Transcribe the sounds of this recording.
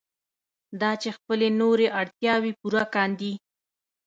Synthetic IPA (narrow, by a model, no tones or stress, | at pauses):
d̪ɑt͡ʃexpəlenoɾeʔaɽt̪jɑwepuɾakɑnd̪i